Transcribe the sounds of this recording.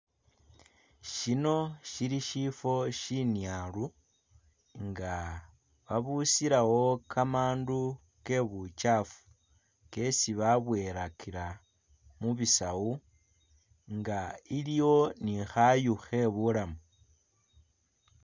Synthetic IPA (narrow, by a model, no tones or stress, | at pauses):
ʃino̞ʃiɾiʃifo̞ʃinjaːlu | ŋɡa | βaβusiɾawo̞kʰamaːndu | ke̞βut͡ʃafu̥ | ke̞siβaβwe̞ɾakʰiɾa | muβisawu | ŋɡailijo̞nixajuxe̞βulamu